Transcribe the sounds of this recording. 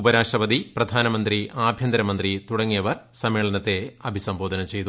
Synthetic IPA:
ubɐɾaːʂʈrɐpɐd̪iprɐd̪ʱaːnɐmɐnd̪riaːbʱjɐnd̪ɐɾɐmɐnd̪rit̪uɽɐŋːijɐʋɐrsɐmːeːɭɐnɐt̪ːe̞ɐbʱisɐmbo̞ːd̪ʱɐnɐmt͡ɕe̞jt̪u

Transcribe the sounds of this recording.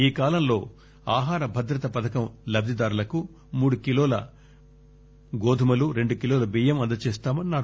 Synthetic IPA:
iːkaːlɐmlo̞ː | aːɦaːɾɐbʱɐd̪ɾɐt̪ɐpɐd̪ɐkɐmlɐb̚d̪ʱid̪aːɾulɐku | muːɽukiloːlɐ̰ | ɡoːd̪ʱumɐluɾe̞ɳɖukiloːlɐbiːjɐmɐnd̪ɐt͡ʃeːst̪aːmɐnːaːɾu

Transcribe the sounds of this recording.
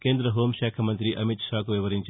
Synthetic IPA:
keːnd̪ɾɐɦoːmʃaːkʰɐmɐnt̪ɾiʔɐmit̪ʃaːkuʋiʋɐɾiɲt͡ʃ

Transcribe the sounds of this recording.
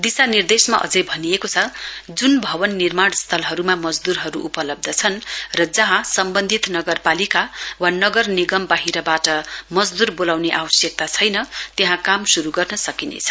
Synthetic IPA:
d̪isanird̪esmaʔʌ̰d͡zʌjbʱʌnijekot͡sʰʌd͡zunbʱʌbʌnːirmaɽst̪ʰʌlɦʌɾumamʌd͡zd̪uɾɦʌɾuʔupʌlʌb̚d̪ʱʌt͡sʰʌnrʌd͡zʌɦãsʌmbʌnd̪ʱit̪nʌɡʌrpalikawanʌɡʌrniɡʌmbaɦiɾʌbaʈʌmʌd͡zd̪urbolawneʔawʌsjek̚t̪at͡sʰʌjnʌt̪eɦãkamsuɾuɡʌrnʌsʌkinḛt͡sʰʌ̥

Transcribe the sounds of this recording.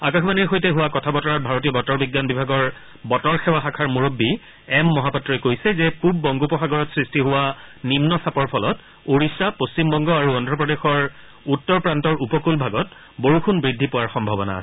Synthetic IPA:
akaxʰbaniɹxojtɛɦʊwakɔtʰabɔtɔɹat̚bʱaɹot̬iɔbɔtɔɹbiɡjanbibʱaɡɔɹ | bɔtɔɹxɛwaxakʰaɹmuɹobːi | ɛmːɔɦapɔtːɹɔjkojsɛzɛpub̚ːɔŋɡopɔxaɡɔɹɔtsɹistiɦʊwanimnɔsapɔɹpʰɔlɔt | oɹisapost͡ɕimbɔŋɡɔaɹuɔndʱɹɔpɹɔdexɔɹ | utːɔɹpɹantɔɹupɔkulbʱaɡɔt | boɹuxʰunbɹidʱːipʊwaɹxɔmbʱabɔna̰sɛ

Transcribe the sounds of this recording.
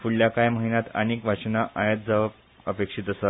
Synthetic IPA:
fuɭjakajməɦinat̪ə̰niːkʋat͡ɕnaʔajət̪̚d͡zaʋ | əpekʂit̪əsa

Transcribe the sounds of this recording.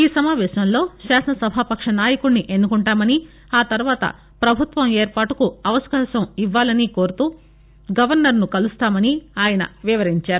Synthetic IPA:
iːsɐmaːʋɛːʃnɐmlo̞ːʃaːsɐnɐsɐbʱaːpɐkʂɐnaːjɐkuɽniʔe̞nːukuɳʈaːmɐni | aːt̪ɐɾuʋaːt̪ɐ̰ | pɾɐbʱut̪ʋɐmeːɾpaːʈukuɐʋɐskɐsɐmiʋːaːlɐniko̞ːɾut̪uː | ɡɐʋɐɾnɐɾnukɐlust̪aːmɐniaːjɐnɐ̰ʋiʋɐɾiɲt͡ʃaːɾu

